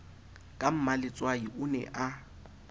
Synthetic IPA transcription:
kʼam̩malɪt͡sʼwaiʔʊnɛ̰ʔa

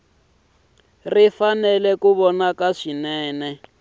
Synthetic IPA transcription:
rifanɛlɛkuβɔnakaʂinɛːnɛ

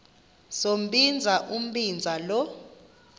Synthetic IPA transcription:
som̩bind͡zʱaʔum̩bind͡zʱalɔ

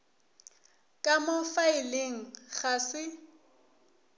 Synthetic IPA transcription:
kʼamofaɪleŋ̩ɣasɪ

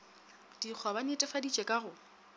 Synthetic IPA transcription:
d̥ik͡xʰwabanɪtʼɛfadit͡ʃʼɛkʼaɣʊ

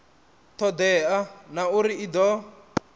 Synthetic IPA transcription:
t̪ʰɔd̪ɛanauɾiid̪ɔ

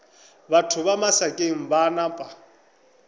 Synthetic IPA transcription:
batʰʊβamasakʼeŋ̩banapʼa

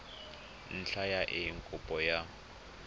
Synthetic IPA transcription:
n̩t͡ɬʰajaʔɪŋkʼʊpʼɔja

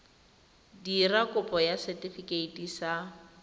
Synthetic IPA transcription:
dirakʼʊpʼɔjasɛtʼifikʼeitʼisa

